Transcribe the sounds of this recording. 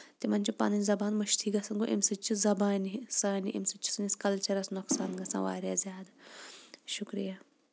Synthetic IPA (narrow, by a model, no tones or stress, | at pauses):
t̪imɐnʲt͡ʃʰipa̰nɐnʲzɐbaːnmɐʃt̪ʰiːɡɐsɐnɡoʔḭmsɨt͡ʃʰːizɐbaːnisaːniʔḭmsɨt͡ʃʰːi̥sɨniskɐlt͡ʃʰɐɾɐsnoksaːnɡɐsã̰ːʋa̰ːɾʲjaːzʲjaːd̪ | ʃukɾija